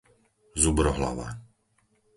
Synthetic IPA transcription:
zubɾɔɦla̰ʋa̰ː

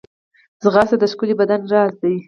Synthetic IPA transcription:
zɣɑsad̪əʃkʊlibad̪anɾɑzd̪aj

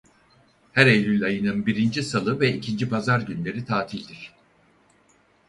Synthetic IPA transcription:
hæɾejlʲylʲajɯnɯnbiɾind͡ʒisalˠɯvɛicʰind͡ʒipʰazaɾɟynlʲe̞ɾit̪ʰaːt̪ʰilʲd̪iɾ̥

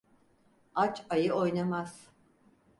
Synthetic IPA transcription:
at͡ʃajɯo̞jnamaz̥

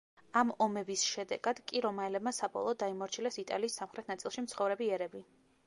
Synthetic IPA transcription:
amɔmɛbisʃɛd̪ɛ̰ɡad̪kʼiɾɔmaɛlɛbmasabɔ̰lˠɔːd̪ːaimɔɾt͡ʃʰilɛsit̪ʼa̰liːsːamχɾɛt̪ʰnat̪sʼilˠʃimt̪sʰχɔvɾɛbiɛɾɛbi

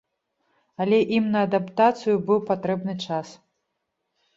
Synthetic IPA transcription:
ɐlʲɛʔimnɐːd̪apt̪at̪sɨjubɨwpat̪ɾɛbnɨt͡ʂas

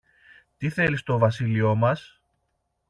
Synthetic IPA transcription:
t̪iθe̞list̪o̞vɐsilio̞mɐs

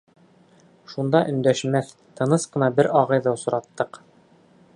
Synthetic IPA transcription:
ʃund̪ɑʔɵ̆nd̪æʃmæθ | t̪ɤ̆nɤsqɤ̆nɑbɘɾɑʁɤjðɑwsŏɾʔɑt̪ːɤq

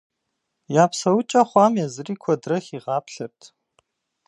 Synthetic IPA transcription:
jaːpsɐwʊt͡ʃʼɐχʷɑːmjɛzɨriːkʷʰɔdrɐxiːʁɑːpʰɬɨrtʰ

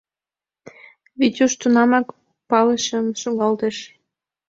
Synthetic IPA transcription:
βit̪ʲuʃt̪unɑmɑk | pɑləʃəmʃoɣɑlt̪eʃ

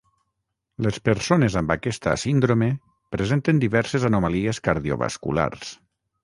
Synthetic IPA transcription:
lespeɾsonezambakɛst̪a̰sind̪ɾome | pɾezent̪end̪iβɛɾsezanomalieskaɾðio̰βa̰skṵla̰rs

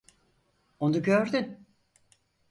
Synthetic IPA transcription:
onuɟøɾd̪yn

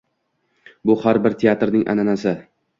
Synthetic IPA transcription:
bʊhaɾbɪɾt̪ʰeat̪ɾnɪŋʔa̰nanasɪ

